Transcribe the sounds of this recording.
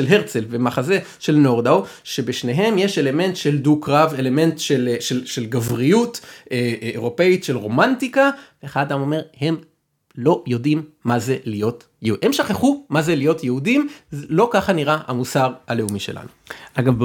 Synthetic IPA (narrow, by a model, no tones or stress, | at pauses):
ʃelɦeʁt͡selvemaχaze̞ | ʃelno̞ʁd̪aw | ʃe̞beʃne̞ɦe̞mje̞ʃe̞le̞me̞ntʃe̞ldukʁave̞le̞me̞ntʃelʃelʃelɡavʁijutʔeeʁo̞pe̞itʃe̞lʁo̞mantikaveːχadad̪amo̞me̞ʁhe̞m | lo̞jo̞dimːazelijo̞t | jehemʃaχeχumazelijo̞tjeudimzlo̞kaχaniʁaha̰musaʁale̞umiʃe̞̰la̰nuʔaɡav